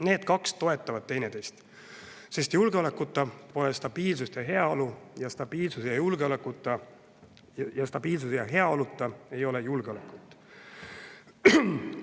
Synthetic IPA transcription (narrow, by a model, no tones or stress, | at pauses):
ne̞ːd̪̥kɑkst̪o̞e̞t̪ˑːɑvɑd̪̥̚t̪e̞jne̞t̪e̞jst̪ | se̞st̪julɡ̥eo̞lekːˑut̪ːˑɑpo̞lest̪ɑb̥iːlsust̪jɑɦe̞ɑolujɑst̪ɑb̥iːlsusjɑjulɡ̥eolekːˑut̪ːˑɑ | jɑst̪ɑb̥iːlsusjɑɦe̞ɑolut̪ːˑɑe̞jo̞le̞julɡ̥eo̞lekːˑut̪ːˑ